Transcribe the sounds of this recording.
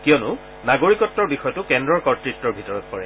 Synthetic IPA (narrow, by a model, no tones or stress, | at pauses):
kijɔnʊ | naɡoɹikɔtːɔɹbixɔjɔtʊkɛndɹɔɹkɔtɹitːɔɹbʱitɔɹɔt̚kɔɹɛ